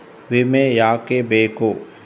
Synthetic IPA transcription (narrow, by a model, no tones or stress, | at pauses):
ʋɪmẽjaːkebeːkoː